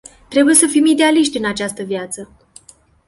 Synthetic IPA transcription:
t̪ɾe̞buje̞səfimid̪e̞aliʃt̪ʲɨnat͡ʃast̪əvjat̪sə

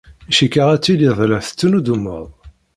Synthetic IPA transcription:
iʃikːəʁæt͡sːiliðˤlæθə̥t͡sːənud̪umːə̰ðˤ

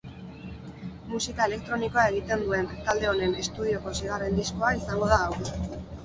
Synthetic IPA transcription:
musikae̞le̞k̚t̪ɾo̞niko̞aeɣ̞it̪e̞nd̪ue̞nt̪ald̪e̞o̞ne̞ne̞st̪uð̞io̞ko̞siɣ̞arend̪isko̞aisaŋɡo̞ð̞aːwɾ

